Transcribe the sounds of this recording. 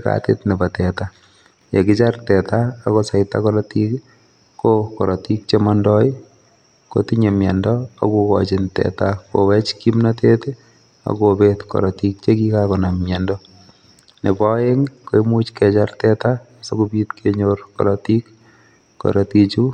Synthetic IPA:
ka̰tḛtnɛbatɛta | jekɪt͡ʃartɛtaːkosaɪta̰kɔlɔtik | kokɔɾɔtik̚t͡ʃemandɔj | ko̰tiɲemjɛndɔa̰kukɔ̰t͡ʃɪntɛ̰tako̰wɛt͡ʃkimnatʰet | a̰kobetkɔ̰ɾɔtik̚t͡ʃekikakɔnamjɛndɔ | nebɔjeŋkoimut͡ʃkɛt͡ʃartɛta | sokupitkʰeɲorkɔ̰lɔtikː | ɔ̰ɾɔtit͡ʃu

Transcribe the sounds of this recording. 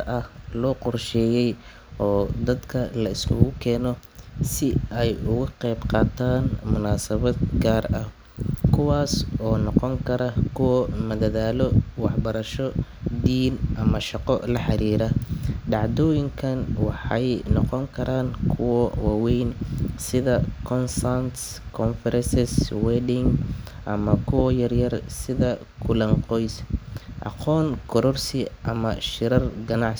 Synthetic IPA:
ɐʔɐhlɔːqʊrʃɛːjɛj | ɔːd̪ɐd̪kʰɐlɐɪskʰʊ̰ɣʊkʰɛːnɔsɪɛjʊɣʊqɛjbqɑːt̪ʰaːnmʊnaːsɐβɐd̪̚ɡaːrɐh | kʰʊwaːsɔːnɔqɔŋkʰɐɾɐkʰʊwɐmɐðɐðaːlɔwɑħbɐɾɐʃɔd̪iːnʔɐmɐʃɑqɔlɐħɑɾiːɾɐɖɑʕd̪ɔːjɪŋkʰɐnwɑħɑjnɔqɔŋkʰɐɾaːnkʰʊwɔwaːwɛjnsɪðɐkʰɔnsant̪ | kʰɔnfɛɾɛnsɛswɛːdɪŋ | ʔɐmɐkʰʊwɔjɐrjɐrsɪðɐ | kʰʊlɐŋqɔjsʔɑ̰qɔːnkʰɔɾɔrsɪʔɐmɐʃɪɾɐrɡɐnɑʕs

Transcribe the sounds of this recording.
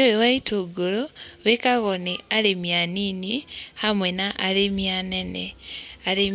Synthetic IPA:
ewewaitʰoɡoloβekaɣoniaɾemjaninihamwenaʔaɾemjanenḛaɾe

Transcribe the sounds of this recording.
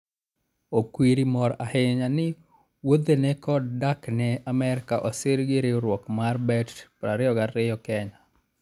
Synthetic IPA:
okwiɾimɔɾahɪɲanɪ | wod̪enekɔddaknɛamɛɾkaʔɔsɪɾɡɪɾeɾwɔkmarbɛtpɾaɾɪɔɡarɪjɔkɛɲa

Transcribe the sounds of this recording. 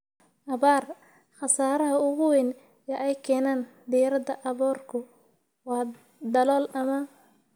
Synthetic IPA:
ʔɐβaːr | χɑsaːɾɐɦɐʊɣʊwɪn | jɛʔɛjkʰɛːnaːnd̪ijɾɐðɐʔɐβɔːrkʰʊ | wɑː | d̪ɐlɔːlɐmɐ

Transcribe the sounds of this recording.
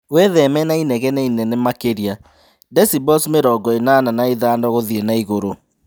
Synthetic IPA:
weðɛmɛnainɛɣɛnɛinɛnɛmakeɾia | dɛsibɔsmeɾɔɡɔenaːnanaiðaːndɔɣoðiɛnaiɣoɾo

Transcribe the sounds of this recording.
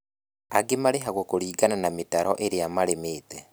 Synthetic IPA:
aɡemaɾeɦaɣwokoɾiːɡananametaɾɔ̰ʔeɾejamaɾemeːtɛ

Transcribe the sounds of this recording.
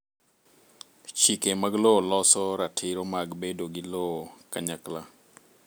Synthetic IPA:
t͡ʃikemaɡlolɔsɔɾatʰɪɾomaɡbedoɡɪlokaɲakla

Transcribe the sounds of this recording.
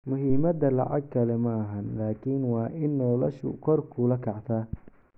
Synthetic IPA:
mʊɦiːmɐd̪ɐlɑ̰ʕɑ̰ɡ̚kʰɐlɛmɐɦɐnlaːkʰiːnwɑːʔɪnːɔːlɐʃʊ̰kʰɔrkʰʊlɐkʰɑʕt̪ʰaː

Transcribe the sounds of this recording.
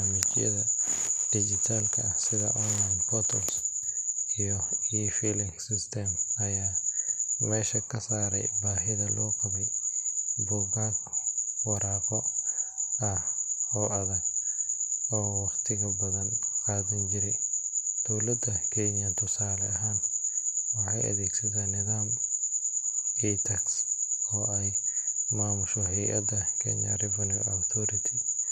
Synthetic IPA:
amit͡ʃijɛ̰ðɐd̥id͡ʒit̪ʰalkʰɐhsɪðɐ̰ʔɔnlajnkɔt̪ɔls | ijɔifilɪŋsist̪ɛmɐjaː | mɛːʃɐkɐsaːɾɛ̰jbaːɦɪðɐlɔːkɐbi | bʊɡakɔ̥wɔɾaːkɔ | ʔɐhɔːɐðɐɡ | ɔːwɑqt̪ʰɪɣɐbɐðɐnqaːðɪnd͡ʒɪɾɛd̪̥ɔwlɐd̪ɐkʰɛɲɐnt̪ʰʊsaːlɛɐɦaːnwɑħɑjʔɐ̰ðɛːɡsɐðanɪðaːm | ɛt̪ʰɐksɔːɛjmaːmʊʃɔɦɛjʔɐ̰d̪ɐkʰɛ̰ɲɐ̰rɛvɐnṵawt̪ʰɔːɾɪt̪ʰɪ

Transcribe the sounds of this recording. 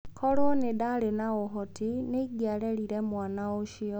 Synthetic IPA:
kʰɔɾwɔnedaɾenaoɦɔtineɡjaɾɛɾiɾɛmwaːnaoʃiɔ

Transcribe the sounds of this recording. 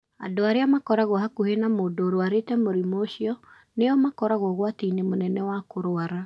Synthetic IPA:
a̰doaɾeamakɔɾaɣɔhakohenamoːdoːɾoaɾetɛmoɾimoːɕiɔ | neɔmakɔɾaɣwɔɣwatinemonɛnɛwakoɾoaɾa

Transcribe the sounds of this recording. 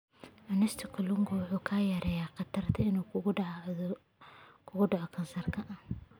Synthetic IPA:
ʔɐnɪst̪ʰɪkʰʊlʊŋɡɔwʊħuːkʰaːjɐɾʔɛːjaːqɑt̪ʰɐrt̪ʰɐɪnuː | kʰʊɣʊɖɑʕɔkʰɐnsɐrkʰɐʔɐn

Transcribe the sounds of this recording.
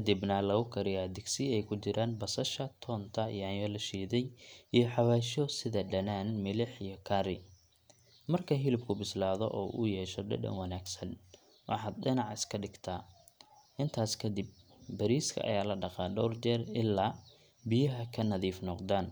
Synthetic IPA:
kʰɐd̪ɪbnɐlɐɣʊkʰɐɾɪjaːd̪ɪɡsɪɛjkʰʊt͡ʃɪɾʔaːnbɐsɐʃɐt̪ʰɔːnt̪ʰɐḭjaːjjɔlɐʃiːðɛjijɞħɑβaːʃɔsɪðɐɖɐnaːnmɪlɪħijɞkʰaɾɪ | mɐrkʰɐɦɪlɪbkʰʊbɪslaːðɔ̰ʔɔ̰ːʔʊ̰jɛːʃɔɖɐ̰ɖɐ̰ŋwɐnaːɡsɐn | wɑħɑːd̪ɖɪnɑʕɪskʰɐɖɪɡt̪ʰaː | ɪnt̪ʰaːskʰɐd̪ɪb̚ | bɐɾiːskʰɐ̰ʔɐ̰jaːlɐɖɑqɑɖɔwrt͡ʃɛːrɪlːaː | bɪjɐɦɐkʰɐnɐðiːfnɔqd̪aːn

